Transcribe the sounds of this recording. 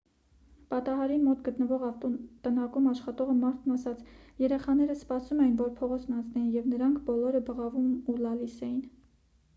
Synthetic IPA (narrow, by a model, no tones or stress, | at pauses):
pɑt̪ɑɦɑɾinmɔt̪ɡət̪nəvɔʁɑft̪ɔt̪ənɑkumɑʃχɑt̪ɔʁəmɑɾt̪ʰnɑsɑt͡sjɛɾɛχɑnɛɾəspɑsumɛjinvɔɾpʰɔʁɔt͡sʰnɑnt͡sʰnɛjinjɛvnəɾɑŋkʰbɔlɔɾəbəʁɑvumulɑlisɛjin